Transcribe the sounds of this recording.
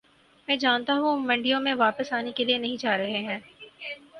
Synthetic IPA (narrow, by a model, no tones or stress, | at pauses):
mɛ̃ːd͡ʒaːnt̪aɦũmɐ̃ɳɖijõmẽʋaːpəsaːnekelienɐɦĩd͡ʒaːɾɐɦeɦɛ̃ː